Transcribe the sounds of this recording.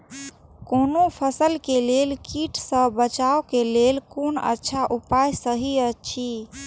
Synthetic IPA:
konopʰəsəlkelelkiʈʰsə̃bət͡ʃaokelelkonə̰tːʃʰaʔupajsəɦiət͡ʃʰi

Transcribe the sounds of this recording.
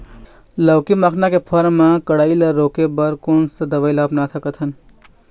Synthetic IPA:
ləwkimakʰnakepʰəɾmãkəɽaːiləɾokebəɾkoːnsəd̪əʋəjlaːpnat̪ʰəkət̪ʰən

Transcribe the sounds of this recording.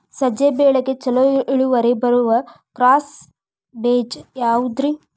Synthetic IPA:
sɐd͡ʒebeːɭɐket͡sɐloiɭuʋɐɾebɐɾuʋɐkɾaːs | beːd͡ʒjaːud̪ɾi

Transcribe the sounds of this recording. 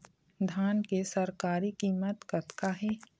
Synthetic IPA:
d̪ʱaːnkesəɾkaːɾikiːmət̪kət̪kaɦɛː

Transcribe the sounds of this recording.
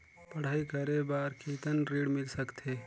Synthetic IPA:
pəɽ̤aːikəɾebaːɾkʰiːt̪ənɾiːɽmɪlsəkt̪ʰeː

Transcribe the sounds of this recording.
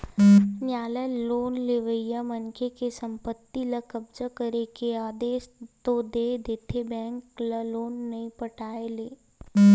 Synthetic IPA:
njaːləloːnleʋəjamənkekesɐ̃mpət̪ːilɐkɐbd͡ʒakəɾekeaːd̪eːʃt̪od̪eːd̪eːt̪ʰebɛ̃ːŋklɐloːnːɐĩpəʈʰaːeleː

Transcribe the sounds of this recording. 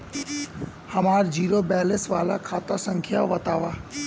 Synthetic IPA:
hɐmaːɾd͡ʒiːɾobɛːlɪsʋaːlakʰaːt̪asə̃ŋkʰjaʋɐt̪aːʋaː

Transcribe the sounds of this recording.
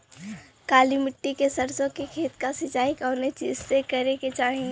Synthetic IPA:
kaːlimɪʈːikesəɾsõkekʰeːt̪kasɪt͡ʃaːikɔːnet͡ʃḭːd͡ʒsekəɾeket͡ʃaːɦĩ

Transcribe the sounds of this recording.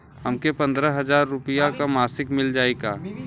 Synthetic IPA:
ɦəmkepɐ̃nd̪ɾəɦɐzaːɾːʊpijakamaːsɪkmɪld͡ʒaːeɡaː

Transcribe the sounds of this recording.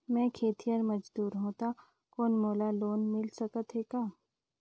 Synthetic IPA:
mɛ̃ːkʰeːt̪ijəɾmɐd͡ʒd̪uːɾɦõːt̪a | koːnmoːlaloːnmɪlsɐkət̪ɦekaː

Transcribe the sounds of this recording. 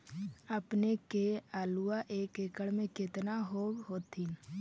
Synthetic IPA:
əpnekeaːluaʔeːkekəɽmẽkɪt̪naɦoːɦoːt̪i

